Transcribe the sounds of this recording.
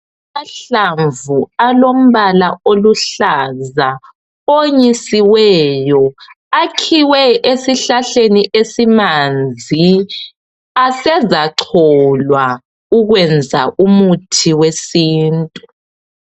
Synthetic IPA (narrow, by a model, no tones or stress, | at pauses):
aɬaɱvualom̩βalaoluɬaza | oɲisiwɛjɔ | akʰiwɛʔesiɬaɬeniʔesimand͡zʱi | asɛzaǁʰɔlwa | uɣwɛnd͡zʱaʔumutʰiwesiːntʼu